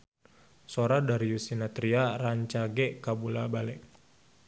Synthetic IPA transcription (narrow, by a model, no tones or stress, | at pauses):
soɾadaɾiusinat̪ɾiaraɲt͡ʃaɡɛʔkabulabalɛk̚